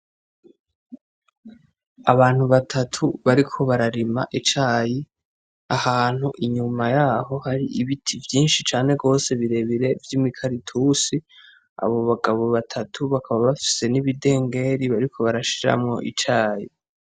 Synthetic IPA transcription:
a̰βaːn̥huβatʰatʰuβaɾikʰo̞βaɾaɾima̰ʔit͡ʃaːji | ahaːn̥huʔiɲumajaːɦo̞haɾiʔiβitʰivjiːnʃit͡ʃaːne̞ɡo̞ːse̞βiɾe̞βiɾe̞vjiːmikʰaɾitʰuːsi | a̰βo̞βaɡaβo̞βatʰatʰuβakʰaβaβafi̥se̞niβide̞ːŋɡe̞ɾiβaɾikʰo̞βaɾaʃiɾa̰mŋo̞̰ʔit͡ʃaːji

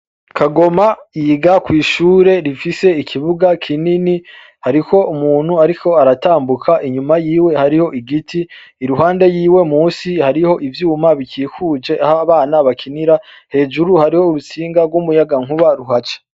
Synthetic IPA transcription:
kʰaɡo̞majiːɡakwiːʃuːɾe̞ɾifise̞ikʰiβuɡakʰinini | haɾiko̞umuːn̥huaɾikʰo̞aɾataːmbukʰaʔiɲumajiːwe̞haɾiho̞ʔiɡitʰiː | ɾuɦaːnde̞jiːwe̞muːsihaɾiho̞ʔivjuːmaβikiːkud͡ʒe̞ʔahaβaːnaβakʰiniɾa | he̞ːd͡ʒuɾuhaɾiho̞uɾut͡siːŋɡabɡwumujaɡaŋ̥huβaɾuɦat͡ʃḁ

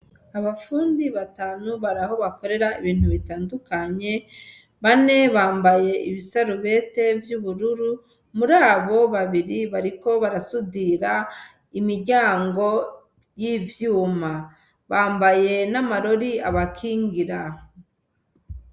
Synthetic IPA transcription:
aβafuːndiβataːnuβaɾaho̞βako̞ɾe̞ɾaiβiːn̥huβitaːndukaɲe̞ | βane̞βaːmbaje̞iβisaɾuβe̞ːte̞vjuβuɾuɾu | muɾaːβo̞βaβiɾiβaɾiko̞βaɾasudiɾa | imiɾɟaːŋɡo̞ | jivjuːma | βaːmbaje̞namaɾo̞ɾiaβakʰiːŋɡiɾa

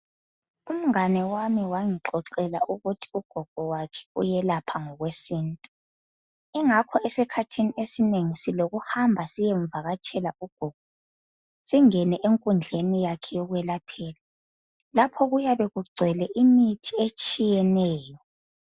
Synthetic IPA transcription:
um̩ŋanɛwamiwaŋiǃɔǃɛla̰ʔuɣutʰi̥uɡ̥ʱɔɡ̥ʱɔwakʰɛ̥ṵjɛlapʰaŋɔɣwesiːntʼu | iŋakʰɔʔesikʰatʰiniesineŋisiloɣuhambʱasijɛɱb̪vʱaɣat͡ʃʰʼɛlauɡ̥ʱɔɡ̥ʱɔ | siŋɛnɛʔeŋkʼund͡ɮʱenijakʰɛjɔɣwɛlapʰɛːla | lapʰɔɣujaβɛɣuɡ͡ǀʱɛlɛʔimitʰiet͡ʃʼijɛnɛːjɔ

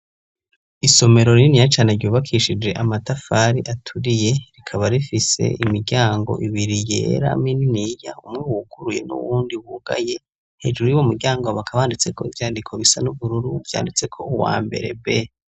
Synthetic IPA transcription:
iso̞me̞ɾo̞ɾinijat͡ʃaːneɾɟoːβakʰiʃid͡ʒe̞ʔamatafaɾiʔatʰuɾije̞ɾikʰaβaɾifise̞̰imiɾɟaːŋɡo̞̰ʔiβiɾijḛːɾa̰mininijaumŋewukuɾuje̞̰nṵwuːndiwuɡa̰je̞ | he̞̰ːd͡ʒuɾujuwomiɾɟaːŋɡoβakʰaβaːndit͡se̞ko̞ivjaːndikʰo̞βisanuβuɾuɾuvja̰ːndit͡se̞kʰo̞uwa̰ːmbe̞̰ɾe̞be

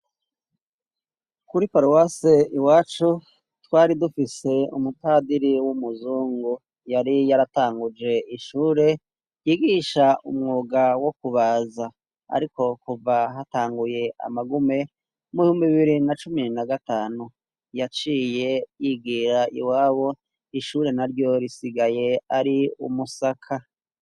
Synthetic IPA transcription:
kuɾipaɾowaseiwaːt͡ʃu | twaːɾidufise̞umutaːdiɾiwumuzuːŋɡu | jaɾijaɾataːŋɡud͡ʒe̞iʃuːɾe̞ | jiːɡiʃaumŋuːɡawo̞kuβaːza | a̰ɾiko̞kuvaɦataːŋɡuje̞ʔa̰maɡume̞ | muβihuːmbiβiɾinat͡ʃuminaɡataːnu | jat͡ʃiːje̞jiɡiɾaḭwaːβo̞ | iʃuːɾe̞naɾɟo̞ɾisiɡaje̞aɾiṵmusakʰa

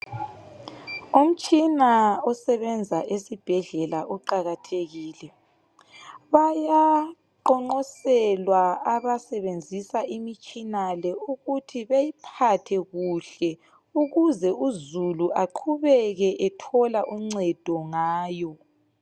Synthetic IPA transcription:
um̩t͡ʃʼinaɔsɛβɛnd͡zʱaʔesib̥ʱɛɮɛlaʔɔǃaɣatʰeɣiːlɛ | βaja | ǃɔŋ͡ǃɔsɛlwaaβasɛβend͡zʱisaʔimit͡ʃʼinalɛuɣutʰiβejipʰatʰɛɣuɬɛ | uɣuzɛuzuluʔaǃʰuβɛɣɛʔɛtʰɔlaʔum̩ŋ͡ǀɛd̥ʱɔŋaːjɔ

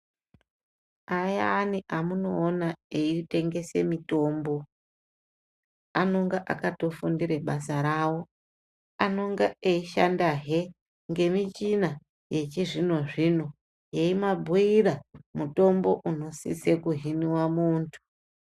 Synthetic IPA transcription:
ajaniʔamuno̞ːnaeite̞ŋɡe̞se̞mito̞ːmbo̞ | ano̞ŋɡaʔa̰kato̞fundiɾe̞ɓasaɾaːwo̞ | ano̞ŋɡaeiʃa̰ndaɦe̞ | ŋɡe̞mit͡ʃina | je̞t͡ʃiʐino̞ʐino̞ | jeimabʱuiramuto̞mbo̞ʔuno̞sḭsekuɦiniwamuːntʰu̥

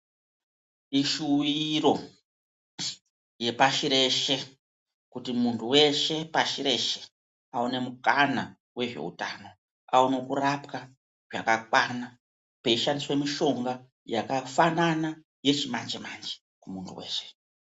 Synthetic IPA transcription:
iʃuwiro̞ | je̞paʃiɾe̞ʃe̞ | kutimuntʰuwe̞ʃe̞paʃiɾe̞ʃe̥ | aune̞mukana | we̞ʐe̞̰ṵtaːno̞ | auno̞kurapka | ʐa̰kakwana | pe̞iʃandiswe̞miʃo̞ŋɡa | jakafanana | je̞t͡ʃimand͡ʒemand͡ʒe̥ | kumuntʰṵwe̞̰ːʃe̥

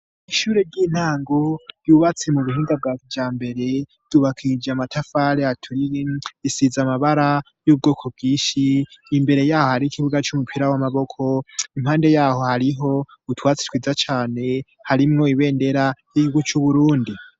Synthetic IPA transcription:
iʃuːɾe̞ɾɟiːn̥haːŋɡojuːβat͡semuβuhiːŋɡab̚ɡaːkivd͡ʒaːmbe̞ɾe̞ | d̥uβakʰid͡ʒamatʰafaɾeatʰuɾiisizamaβaɾa | juːb̚ɡoːkʰo̞b̚ɡiːʃiːmbe̞ɾe̞jaːho̞haɾikʰiβuɡat͡ʃumupʰiɾawamaβo̞kʰo̞imhaːnde̞jaːho̞haɾiɦo̞utwaːt͡se̥twiːzat͡ʃaːne̞ | haɾimŋo̞iβe̞ːnde̞ɾajiɡiuɡut͡ʃuβuɾuːndi

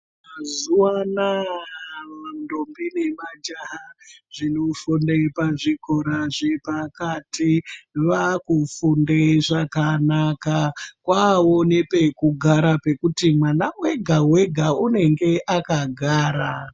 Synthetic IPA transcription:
mazuwana | ndombine̞mad͡ʒaɦaʐ̥inofundepaʐiko̞ɾaʐepakatiʋakufundeʐakanakakwao̞ne̞pe̞kuɡʱaɾape̞kutimwanawe̞ɡʱawe̞ɡʱaune̞ŋɡe̞ʔakaɡʱaːɾa

